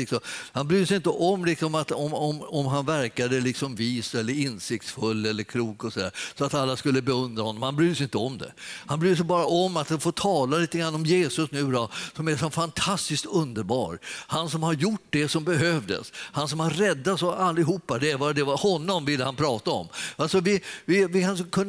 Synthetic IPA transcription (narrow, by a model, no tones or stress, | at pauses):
ɪksɔmhanbɾyːd̪əsɛjɪnt̪əʔɔmlɪksɔmat̪ɔmɔmɔmɦanvæɾkad̪əlɪksɔmviːsɛlːəɾɪnsɪk̚t̪sfɵlːɛlːəɾkʰluːkɔsɔd̪æ̰ːɾsɔat̪alːaskɵlːəbɛɵnd̪ɾahɔnːɔmhanbɾyːd̪əsɛjɪnt̪əɔmd̪ɛ̰hanbɾyːd̪əs̬ɛjbɑːɾaʔɔmːat̪danfoːt̪ʰɑːlaliːt̪əɡɾanːɔmjeːsɵsnʉ̟ːd̪ɑsɔmæʂɔnfant̪ʰast̪ɪskt̪ɵnd̪əɾbɑ̰ːɾhansɔmhaɾjʊʈ̚ːd̪ɛsɔmbɛɦøːvd̪ə̰shansɔmhaɾrɛd̪ːasɔalːɪɦuːpːad̪ɛɾvɑd̪ɛvahɔnːɔmvɪlːəhanpʰɾɑːt̪aɔ̰mːalsɔvɪvɪvɪkʰankʰɵnː